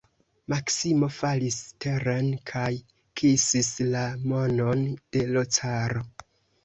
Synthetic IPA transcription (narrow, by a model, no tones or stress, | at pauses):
maksimo̞faliste̞ɾenkʰaj | kʰisislamo̞no̞nd̥e̞lo̞t͡saɾo̞